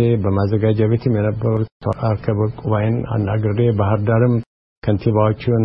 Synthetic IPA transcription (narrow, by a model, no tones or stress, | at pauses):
ebəmazːəɡad͡ʒaβet̪ʰɨmjɛnəbːəɾut̪ʰːəɾaɾkʰəβəkʼuβajɪna̰nːaɡɨɾd̪ebaɦɨɾd̪aɾɨm | kʰənt̪ʰiβawot͡ʃːun